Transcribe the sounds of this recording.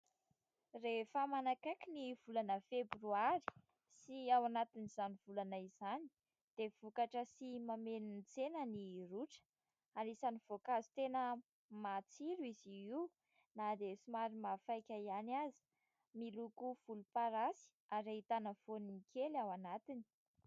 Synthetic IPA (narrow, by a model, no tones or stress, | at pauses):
refəmanakakʲiniv̥ulanəfebryaɾi̥ | siawanat̪iniz̥aniv̥ulanaizani̥ | d̪̥ev̥ukaʈ͡ʂəsimamenint͡senəniruʈ͡ʂə̥ | aɾisaniv̥okazi̥t̪enə | mat͡siɾuizii | nad̪esumaɾimafajkʲajanazi̥ | milukuv̥ulupaɾasi̥ | aɾeit̪anafonikʰelawanat̪ini̥